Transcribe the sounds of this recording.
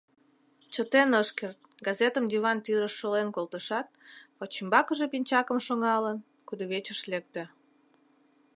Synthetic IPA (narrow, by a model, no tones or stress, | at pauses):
t͡ɕət̪enəʃkert̪̚ɡɑzet̪əmd̪iβɑnt̪yɾəʃːolenkolt̪əʃɑt̪̚pot͡ɕimbɑkəʒepinʲt͡ɕɑkəmʃoŋɑlən | kud̪oβet͡ɕəʃlek̚t̪ĕ